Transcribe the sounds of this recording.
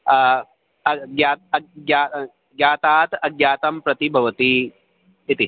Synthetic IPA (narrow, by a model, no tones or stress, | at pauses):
ɐɡjaːt̪ɐɡjaː | ɡjaːt̪aːt̪ɐɡjaːt̪ɐmpɾɐt̪ibʱɐʋɐt̪i | it̪i